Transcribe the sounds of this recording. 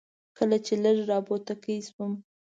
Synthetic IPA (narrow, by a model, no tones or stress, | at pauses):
kəlat͡ʃeləɾɾɑbot̪akəiswəm